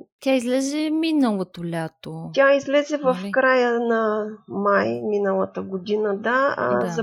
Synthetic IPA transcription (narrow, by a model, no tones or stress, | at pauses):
tʲaizlɛzɛminəlˠot̪olʲat̪otʲaizlɛzɛvɐfkɾajənɐmajminəlˠɐt̪əɡod̪inɐd̪a̰zɐ